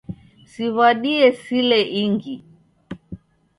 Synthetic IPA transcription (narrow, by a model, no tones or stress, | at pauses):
siβaɗiɛsilɛʔiŋɡi